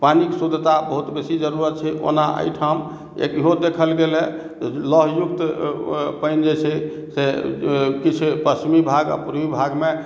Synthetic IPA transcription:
paniksud̪ʱt̪abəɦut̪besid͡ʒəɾuɾət̪̚t͡ʃʰɛʔo̰naʔə̰jʈʰam | ḛkiɦod̪ekʰəlɡelɛ | ləɦjuk̚t̪ | pəjnd͡ʒɛt͡ʃʰɛ | se | kit͡ʃʰpɾəsmibʱaɡa̰puɾbibʱaɡme

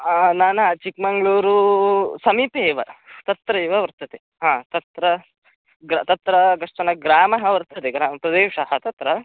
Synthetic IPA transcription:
naːnɐt͡ʃikmɐŋɡɭuːɾusɐmiːpeːʋɐt̪ɐt̪ɾɐeʋɐʋɐɾt̪ɐt̪e | ɦãːt̪ɐt̪ɾɐ | ɡɾat̪ɐt̪ɾɐɡɐʂʈɐnɐɡɾaːmɐɦɐʋɐɾt̪ʰɐt̪eɡɾaːpɾɐd̪eːʋʂɐɦɐt̪ɐt̪ɾɐ

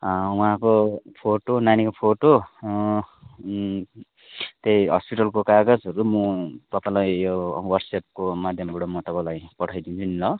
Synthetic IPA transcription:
wũɦãkopʰoʈonanikopʰoʈo | t̪ejɦʌspiʈʌlkokaɡʌd͡zʌɾumut̪ʌpãlajjowʌrɡsep̚komad̪ʱjʌmɡuɽʌmʌt̪ʌpãlajpʌʈʰʌjd̪int͡sʰunilʌ

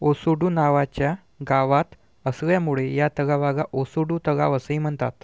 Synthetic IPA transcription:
osuɽuːnaʋat͡ɕja | ɡaʋat̪ | əsɡɭjamuɭejat̪əɡaʋaɡaʔosuɽut̪əɡa̰ʋəsəim̤əɳt̪a̰t̪

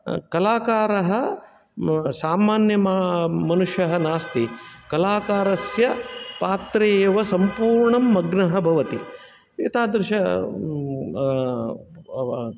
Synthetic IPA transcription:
kɐlaːkaːɾɐɦɐ | saːmaːnjɐmamɐnuʂjɐɦɐnaːst̪ikɐlaːkaːɾɐsjɐpaːt̪ɾeːjːʋɐsɐmpuːɾɳɐmːɐɡnɐɦɐbʱɐʋɐt̪i | eːt̪aːd̪ɾɨʃɐ

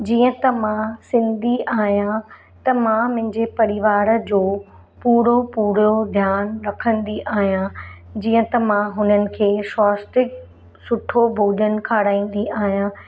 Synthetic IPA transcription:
d͡ʑiːə̃t̪ɐmãsɪ̃nd̪ʱiaːɦijã | t̪ɐmãmɪ̃ɦɪ̃ɲd͡ʑepɐɾɪʋaːɾə̆d͡ʑoː | puːɾopuːɾod̪ʱjaːnɾɐkʰə̃nd̪iʔaːɦijã | d͡ʑiːə̃t̪ɐmãɦʊnənɪ̆kʰeːʃɔːsʈɪk | sʊʈʰobʱoːɗənɪ̆kʰaːɽaːĩːn̆d̪iaːɦijã

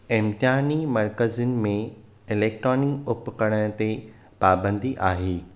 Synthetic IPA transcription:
ɪ̃mt̪ɪɦaːnimɐɾkəzʊnɪ̆mẽ | ɪleːk̚ʈɾoːnɪkʊpkəɽ̃ə̃t̪e | paːbə̃nd̪iʔaːɦeː

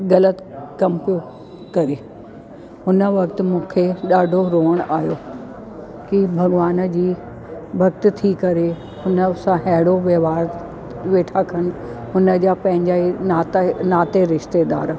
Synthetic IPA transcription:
ɣɐlət̪kɐmpio | kɐɾeː | ɦʊnə̆ʋɐkt̪̆mũːkʰeɗaːɖʱoɾoːəɽ̃aːɦjoː | kibʱɐɠʋaːnd͡ʑiː | ʋɐk̚t̪t̪ʰikɐɾe | hʊnəsãɦɛɦɪɽoʋjɐʋaːɾ | ʋeːʈʰakʰəñɪ̆ɦʊnə̆d͡ʑaːpɐ̃ɦɪ̃ɲd͡ʑaiat̪naːt̪eɾɪʃt̪ed̪a̰ːɾ

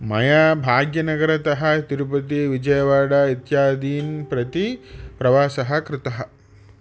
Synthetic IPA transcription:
mɐjaːbʱaːɡjɐnɐɡɐɾɐt̪ɐɦɐ̆t̪iɾupɐt̪̬iʋid͡ʒɐjɐʋaːɽɐit̪jaːd̪iːnpɾɐt̪ipɾɐʋaːsɐɦɐkɾɪt̪ɐɦɐ

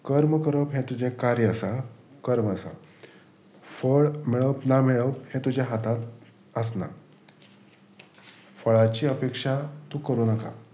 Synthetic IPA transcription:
kəɾməkəɾəpɦẽt̪ud͡ʑẽkaɾjəəsakəɾməsa̰ | fəɭmeɭəpnameɭəp̚hẽt̪ud͡ʑjaɦat̪at̪ | əsna̰ | fəɭat͡ɕiːəpekʂat̪ũːkəɾuːnəka̰

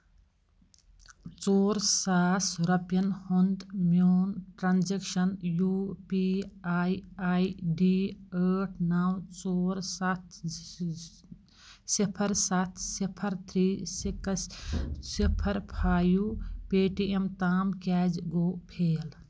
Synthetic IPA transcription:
t͡ʃoːɾsaːsɾɐpjɐnhund̪mjoːnʈɾaːnd͡ʒekʃənjuːpiajajɖiəʈʰnawt͡ʃoːɾsat̪ʰ | sipʰəɾsat̪ʰsipʰəɾt̪ʰɾiːsikəssipʰəɾpʰaːjupeːʈiemt̪aːmkɛːd͡ʒɡoːpʰeːl

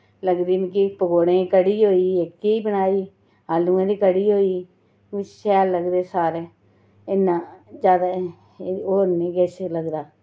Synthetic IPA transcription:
ləɡd̪iːm̃ːkɪpəɡoːɽẽːkəɽiːɦoːiːɪkːiiːbənaːiː | ɦaːlːũːẽːd̪iːkəɽiːɦoːiː | ʋɪʃɛːlːəɡd̪eːsaːɾeː | ɪnːãːd͡ʒjaːd̪aː | oːɾnẽːɡɛːt͡ʃləɡd̪aː

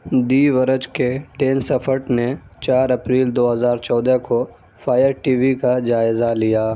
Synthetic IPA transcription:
d̪iːʋəɾəd͡ʒkeʈeːnsɐfʰəɾʈnet͡ʃaːɾɐpɾiːld̪oːɦəzaːɾt͡ʃɔːd̪əko | fʰaːjəɾʈiːʋikad͡ʒaːɪzalijaː

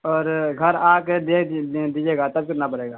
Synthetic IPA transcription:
ɔːɾɡʱɐɾaːked̪eːkʰd̪id͡ʒeːɡaːt̪ɐb̚kɪɾnabɐɽeːɡaː

